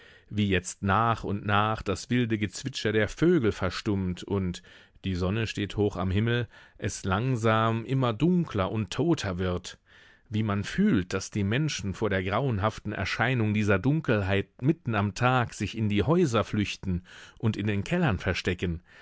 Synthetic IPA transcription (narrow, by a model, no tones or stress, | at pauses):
viːjɛt͡stnaːχʊntnaːχd̥asv̥ɪldəɡət͡sv̥ɪt͡ʃɐdeːɐføːɡl̩fɛɐʃtʊmtʰʊnt | d̥iːzɔnəʃteːthoːxa̰mhɪml̩ʔɛslaŋzaːmʔɪmɐdʊŋkʰlɐʔʊntʰːoːtʰɐvɪɐt | viːmanfyːlt̚d̥asd̥iːmɛnʃn̩foːɐɾeːɐɡʁaʊənɦaftn̩ʔɛ̰ɐʃaɪnʊŋdiːzɐdʊŋkl̩ɦaɪt̚mɪtn̩amtʰaːkz̥ɪçɪndiːhɔʏzɐflʏçtn̩ʔʊntɪndeːnkʰɛlɐnfɛɐʃtɛkən